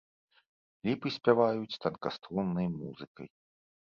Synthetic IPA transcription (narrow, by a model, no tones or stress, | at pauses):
lʲipɨsʲpʲavajut͡sʲt̪ɐnkast̪ɾunːɐjmṵzɨkɐ̰j